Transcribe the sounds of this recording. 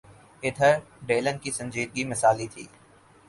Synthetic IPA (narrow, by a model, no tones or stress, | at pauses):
ɪd̪ʱəɾ | ɖeːlənkisɐ̃nd͡ʒiːd̪̚ɡimɪsaːlit̪ʰḭː